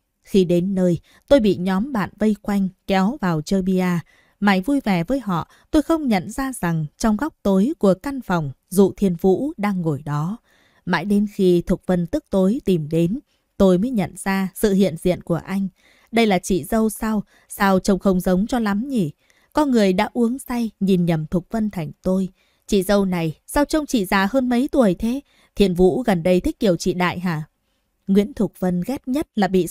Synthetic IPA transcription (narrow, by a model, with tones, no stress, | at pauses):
xi˧ɗe˨˦nːəː˧j | t̪o˧jɓḭ˧˨ɲɔ˨˦mɓa̰ː˧˨nvə˧jkwa˧jŋ̟kɛ˨˦wvaː˨˩wt͡ɕəː˧ɓi˧aː˧ | maː˨˩jvu˧jvɛ˨˩vəː˨˦jɦɔ̰˧˨ | t̪o˧jxə˧wŋ͡mɲə̰˧˨nzaː˧z̥a˨˩ŋt͡ɕɔ˧wŋ͡mɣa˦˥wk͡p̚t̪o˨˦jku˧˩əka˧nfɔ˨˩wŋ͡mzṵ˧˨t̪ʰi˧ənvṵ˧˥ɗaː˧ŋːo˧˩jɗɔ˨˦ | ma̰ː˧˥jɗe˨˦nxi˧t̪ʰu˨˩k̚və˧˩nt̪ɨ˦˥k̚t̪o˨˦jt̪i˨˩mɗe˨˦n | t̪o˧jməː˨˦jɲə̰˧˨nz̥aː˧sɨ̰˧˨hḭ˧˨ənzḭ˧˨ənku˧˩əʔa˧jŋ̟ | ɗə˧jlaː˨˩t͡ɕḭ˧˨zə˧wsa˧w | saː˧wt͡ɕə˧wŋ͡mxə˧wŋ͡mzə˨˦wŋ͡mt͡ɕɔ˧la˨˦mɲi˧˩ | kɔ˧nŋɨ˨˩əjɗa̰ː˧˥ʔu˨˦əŋsa˧jɲi˨˩nɲə˨˩mt̪ʰʊ˨˩k͡p̚və˧nt̪ʰa˨˩jŋ̟t̪o˧j | t͡ɕḭ˧˨zə˧wna˨˩jsa˧wt͡ɕə˧wŋ͡mt͡ɕḭ˧˨zaː˨˩həː˧nmə˨˦jt̪u˨˩əjt̪ʰe˨˦ | t̪ʰḭ˧˨ənvṵ˧˥ɣə˨˩nɗə˧jt̪ʰï˦˥k̚ki˨˩əwt͡ɕḭ˧˨ɗa̰ː˧˨jɦaː˧˩ | ŋwḭ˧˥ənt̪ʰʊ˨˩k̚və˧nɣɛ˦˥t̚ɲə˦˥t̚laː˨˩ɓḭ˧˨